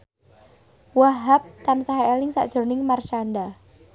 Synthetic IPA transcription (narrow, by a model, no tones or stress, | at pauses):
waɦap̚t̪ansaɦaelɪŋsa̰ʔd̥ʒ̥ɔ̤nɪŋmart͡ʃanɖa